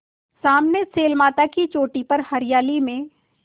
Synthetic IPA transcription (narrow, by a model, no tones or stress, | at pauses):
saːmneseːlmaːt̪akit͡ʃoːʈipɐɾhɐɾɪjaːlimẽ